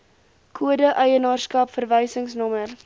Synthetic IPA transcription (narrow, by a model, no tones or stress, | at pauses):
kʰuədəʔəjənɑːrskɐpfərvəjsəŋsnɔmər